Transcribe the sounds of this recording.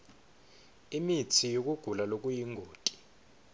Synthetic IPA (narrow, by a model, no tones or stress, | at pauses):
imit͡sʰijok̬ʼuɡ̥ʱulalok̬ʼujiŋɡʱoːtʼi̥